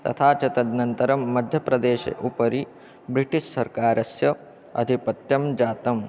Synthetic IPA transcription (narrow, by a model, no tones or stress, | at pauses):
t̪ɐ̰t̪ʰaːt͡ʃɐt̪ɐd̪nɐnt̪ɐɾɐmːɐd̪ʱjɐpɾɐd̪eːʃɐ̰ʔupɐɾi | bɾiʈiʃsɐɾkaːɾʔɐsjɐ | ɐ̰d̪ʱipɐt̪jɐmd͡ʒaːt̪ɐm